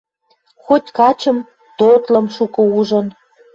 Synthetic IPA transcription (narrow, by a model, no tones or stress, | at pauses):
xot̪ʲkɑt͡ɕə̆m | t̪ot̪lə̆mʃukɤ̆uʒɤ̆n